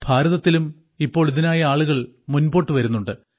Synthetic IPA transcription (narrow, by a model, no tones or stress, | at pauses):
bʱaːɾɐðɐt̪ːilum | ipːo̞ːɭiðinaːjɐaːɭuɣɐɭ | munbo̞ːʈːɨʋɐɾunːuɳɖɨ